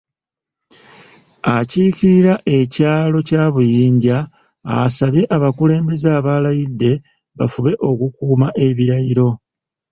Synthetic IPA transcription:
aciciɾiɾaʔe̞caːlo̞caːβujiːɲɟa̰ː | saβje̞ʔaβakule̞ːmbe̞zaːβalajidːe̞ | βafuβe̞ʔo̞kukuːmaʔe̞βiɾajiɾo̞

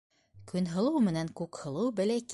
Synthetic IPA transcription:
kɵ̆nɦɤ̆lˠɤwmɘ̆næŋkʉkhɤ̆lˠɤwbɘ̆læk

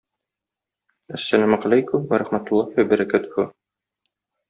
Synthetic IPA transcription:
æsːælæmʁælæjkʊmwæɾæχmæt̪ʊlˠːɑhwæbæɾækæt̪ʊ̥hʊ

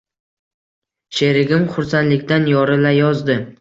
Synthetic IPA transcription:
ʃe̞ɾɪɡʲɪmχʊɾsanlɪkʲt̪anjɒɾɪlajɒzd̪ɪ

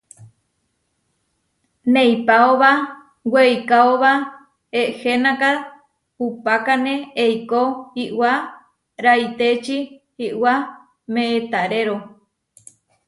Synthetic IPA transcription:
nẽjpaoβa | wejkaoβa | eʔhenaka | upakanẽejkohiʔwa | ɾajt̪et͡ʃihiwa | mẽːt̪aɾeɾo

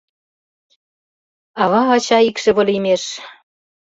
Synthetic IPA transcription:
ɑβɑɑt͡ɕɑikʃĕβɤ̆lʲimeʃ

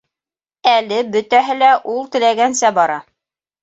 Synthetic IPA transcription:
ælɘbɵ̆t̪æɦɘlæʔulˠt̪ɘ̆læɡænsæbɑɾɑ

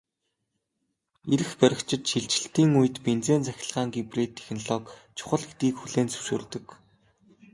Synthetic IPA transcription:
eɾɘ̆xpœɾʲɪ̆kt͡ɕʰɪ̆t̪ʃiɮt͡ɕɪ̆ɬt̪iːŋujɘ̆t̪pent͡seːnt͡sæxʲɪ̆ɮʁaːŋɡiprit̪ʰːexnɔɮɔːkt͡ɕʰʊ̥χə̆ɮɡet̪ɡiːkxuɮeːnt͡sɵ̥wʃṵːrt̪ɵ̆k

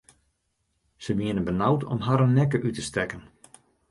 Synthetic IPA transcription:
səʋiənəbənawtʰɔ̰mɦaɾənːɛkəʔytəstɛkən

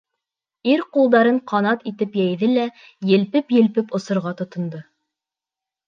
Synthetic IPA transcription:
iɾqulˠd̪ɑɾɤɴqɑnɑt̪it̪ɘpjæjðɘlæ | jɘ̆lpɘpjɘ̆lpɘpŏsŏɾʁɑt̪ŏt̪ŏnd̪ɤ

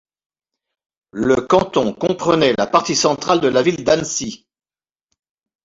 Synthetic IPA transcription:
ləkɑ̃t̪ɔ̃kɔ̃pχənɛlapaʁt̪isɑ̃t̪χald̪əlavild̪ansi

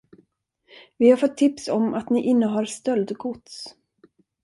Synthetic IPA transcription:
vɪhaɾfɔt̪ʰːɪpsɔmat̪nɪʔɪnːəɦaɾst̪œld̪ɡʊt̪s

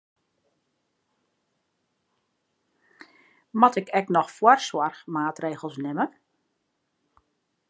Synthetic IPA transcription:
mɔtɪkʰɛknɔxfwɔrswɔrxmaːtreːɣəl̩ˠsnɪmə

